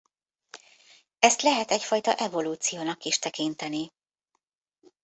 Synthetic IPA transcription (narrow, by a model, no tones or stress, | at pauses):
ɛst̪lɛɦɛt̪ɛcfɒjt̪ɒ̰ʔɛvo̞luːt̪sijoːnɒkiʃt̪ɛkint̪ɛni